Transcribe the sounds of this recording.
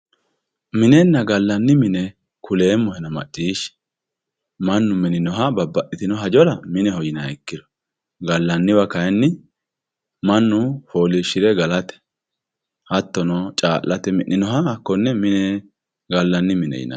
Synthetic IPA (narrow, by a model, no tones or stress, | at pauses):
mɪnɛnːɐɡɐlːɐnːɪmɪnɛ | kʰʊle̞ːmːɔhɛnɐmɐ̰ʔʼːiːʃ | mɐnːʊmɪnɪnɔɦɐbɐbːɐʔɪt̪ɪnɔɦɐd͡ʒɔlɐmɪnɛhɔjɪnɐɛkːɪd̪ɔ̥ | ɡɐlːɐnːɪbɐkɐjɛnːɪ | mɐnːʊfoːlɪʃːɪɾɛɡɐlɐt̪ɛ̥ | hɐt̪ːɔnɔt͡ʃʼaːʔːɐt̪ɛmɪʔːɪnɔɦɐkːɔnːɛmɪnɛ | ɡɐlːɐnːɪmɪnɛ̰jɪ̰nɐ̰